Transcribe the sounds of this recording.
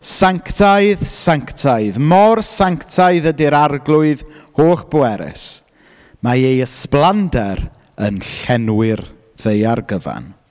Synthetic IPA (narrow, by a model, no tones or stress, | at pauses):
saŋktʰaɨðsaŋktʰaɨðmɔrsaŋktʰaɨðədɪɾarɡlˠʊɨðhoːχb̥oɛɾɪ̰s | maejəsplˠandɛɾ | ənɬɛnwɪr | ðejarɡəva̰n